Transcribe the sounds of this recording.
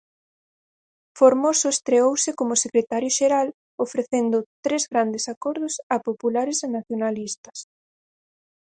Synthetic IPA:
foɾmosʊest̪ɾeowsɪkomʊsekɾet̪aɾjoʃeɾal | ofɾeθend̪ʊt̪ɾezɣɾand̪esakɔɾð̞ʊsɐpopulaɾesenaθjonalist̪ɐ̥s

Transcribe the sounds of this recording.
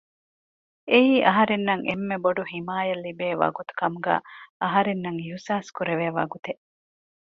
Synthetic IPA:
eiːʔɐɦɐɾenːɐŋʔemːeboɖuhimaːjɐlːibeːʋɐ̰ɡut̪u̥kɐmuɡæ̰ːɐɦɐɾenːɐŋiɦusaːskuɾeʋeːʋɐ̰ɡut̪eʔ

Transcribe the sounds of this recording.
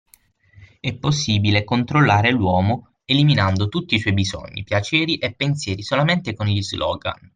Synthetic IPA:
ɛpːosːiːbilekont̪ɾolːaːɾelwɔːmo | eliminand̪ot̪ut̪ːiswɔjbizɔ̰ɲːḭpjat͡ʃɛːɾiʔepːensjɛːɾisolament̪ekonʎizlɔ̰ːɡa̰n

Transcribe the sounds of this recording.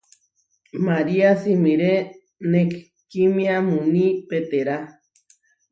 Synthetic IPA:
maɾiasimiɾe | nek | kimĩamunĩpet̪eɾa

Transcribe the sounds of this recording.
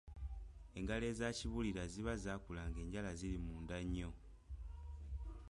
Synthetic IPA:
e̞ŋɡale̞ːzaːciβuliɾaziβazaːkulaːŋɡe̞ːɲɟalazilimuːndaɲːo̞

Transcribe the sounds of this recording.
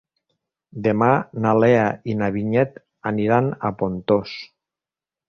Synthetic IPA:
d̪emanaleainaβiɲɛt̪ | aniɾanapont̪os

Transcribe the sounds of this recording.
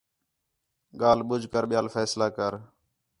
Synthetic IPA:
ɠaːlɓʊd͡ʒʱkəɾɓɪjaːlfɛːslaːkəɾ

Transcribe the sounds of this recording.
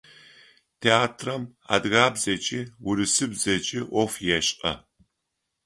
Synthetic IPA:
tʰeaːtʰrɐma̰dɣaːbzɐt͡ʃʼɪwʊɾɨsɨbzɐt͡ʃʼɪʔɔfjɛɕʼqʼɐ̰

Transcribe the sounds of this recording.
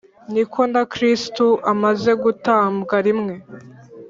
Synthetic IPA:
nikʰo̞ndakɾistuʔamaze̞ɡutaːmbɡaɾimŋe̞

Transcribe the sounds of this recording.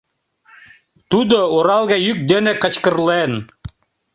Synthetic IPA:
t̪ud̪ooɾɑlˠɣɑjyk̚d̪enekə̆t͡ɕkə̆rlˠen

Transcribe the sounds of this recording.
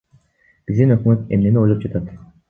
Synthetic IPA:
b̥izd̪inøkmø̞t̪e̞̰mne̞nio̞jlˠop̚d͡ʒɑat̪at̪

